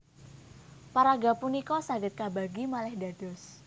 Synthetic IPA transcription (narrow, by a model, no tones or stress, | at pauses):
paɾaɡapunikɔsaɡət̪̚kabaɡimalɛhda̤d̥ɔ̤s